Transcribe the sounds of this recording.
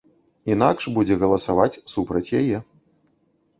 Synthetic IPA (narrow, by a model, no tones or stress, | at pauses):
inakʂbud͡zʲɛɣɐlˠɐsavat͡sʲsupɾɐt͡sʲjajɛ